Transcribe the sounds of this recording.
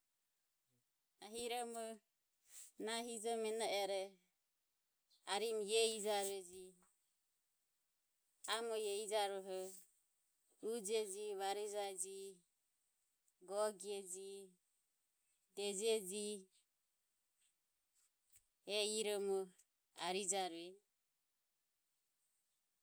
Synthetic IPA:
aɦiɾɔmɔ | naɦid͡ʒɔmɛnaʔɛɾɛ | aɾimjɛid͡ʒaɾɛd͡ʒi | amɔjɛid͡ʒaɾɔɦɔ | ud͡ʒɛd͡ʒiβaɾid͡ʒaɛd͡ʒi | ɡɔɡiɛd͡ʒi | d̪ɛd͡ʒɛd͡ʒi | ɛiɾɔmɔ | aɾid͡ʒaɾɛ

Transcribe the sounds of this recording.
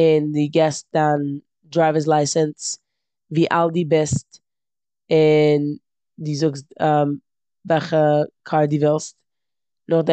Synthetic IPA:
ɪndɪɡɛst̚d̥an | dɾaɪvəs̬lˠaɪsəns | viːʔalˠdiːbɪst | ɪn | dɪːzʊkstəm | vɛlˠχəkʰaɾdɪːvɪlˠst̚ | nʊχd

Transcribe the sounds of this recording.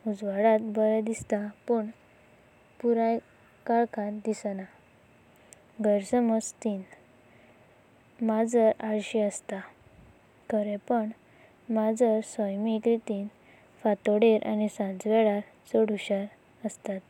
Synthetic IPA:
ud͡zʋaɽat̪bəɾad̪ist̪apəɳ | puɾaj | kaɭkʰãt̪d̪isna | ɡəɾsəməd͡zt̪iːn | mad͡zəɾaɽɕiəst̪a | kʰəɾɛ̃pəɳ | mad͡zəɾsɔjmikɾit̪iːn | fat̪ɔɽeɾʔa̰nisãnd͡zʋɛɽaɾ | t͡sɔɽuɕaɾ | əst̪at̪̚

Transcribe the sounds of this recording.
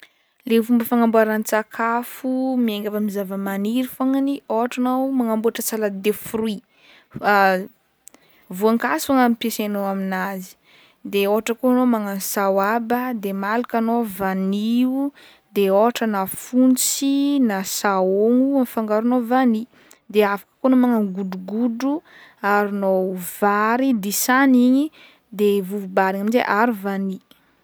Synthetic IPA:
levumbəfaŋambuaɾant͡sakʰafumieŋɡʲavamizavəmaniɾifaŋanioɦaʈ͡ʂanawmaŋambuaʈ͡ʂət͡salad̪efɾui | vuaŋkasaŋamipiesanoaminazi̥ | d̪eoɦaʈ͡ʂəkoanomaŋansawabəd̪emalukanovaniu | d̪eoɦaʈ͡ʂənafunt͡sinasaoŋuamfaŋɡaɾunovani | d̪eafḁkə̥konomaŋaŋɡuɖ͡ʐuɡuduaɾinovaɾid̪isaniɲi | d̪evuvubaɾiŋaminzḛʔaɾuvani

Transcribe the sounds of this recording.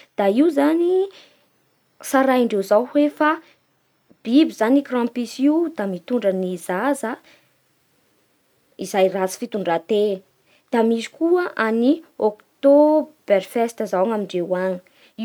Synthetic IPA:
d̪̥aiwzani | saɾajiɳɖ͡ʐewzawhefa | b̥ibizanikrãmpisiud̪amit̪uɳɖ͡ʐənizazə | izajrat͡si̥fit̪uɳɖ͡ʐat̪e | d̪̥amizi̥kuəʔaniokt̪ob̥erfɛst̪əzawaŋamiɳɖ͡ʐewaɲi̥

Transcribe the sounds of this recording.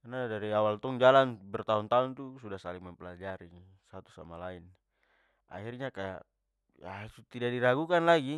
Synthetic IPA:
kanadaɾiawalt̪ɔŋd͡ʒalanbɛrt̪aunt̪aunt̪usudasaliŋmampɛlad͡ʒaɾi | sat̪u̥sa̰malain | ʔa̰hirɲakaja̰ | jat̪ut̪idaʔdiɾaɡukanlaɡi

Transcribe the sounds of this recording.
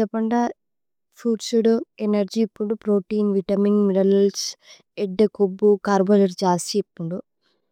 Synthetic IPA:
ɐpɐɳɖɐ | pʰuːɖsuɽuenɐɾd͡ʒiːpːuɳɖupɾoːʈiːnʋiʈɐmiŋɡmiɽɐlɐls | eɖːɐkobːukaːɾbɐlɐɾd͡ʒaːst͡ʃiːpːuɳɖu

